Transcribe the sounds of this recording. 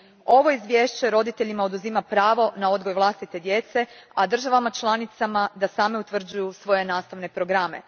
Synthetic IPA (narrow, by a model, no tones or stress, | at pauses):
o̞ʋo̞izʋʲjeːʃt͡ɕe̞ɾo̞d̪it̪e̞ʎimao̞d̪uzimapɾaːʋo̞nao̞d̪ɡo̞jʋlˠast̪it̪e̞d̪je̞t̪se̞ad̪r̩ʒaʋamat͡ʃlˠanit̪samad̪asaːmeut̪ʋr̩d͡ʑujusʋo̞je̞naːst̪aʋne̞pɾo̞ɡɾame̞̰